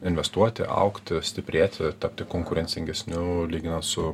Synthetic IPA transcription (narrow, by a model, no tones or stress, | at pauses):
ɪnʲʋʲɛst̪uɔt̪ʲɪ̰ʔɐ̰ʊkt̪ʲɪsʲt̪ʲɪpʲɾʲeːt̪ʲɪt̪ɐp̚ʲt̪ʲɪkoŋkʊɾʲɛnʲsʲɪŋʲɡʲɛsʲnʲʊlʲiːɡʲɪnɐnt̪sʊ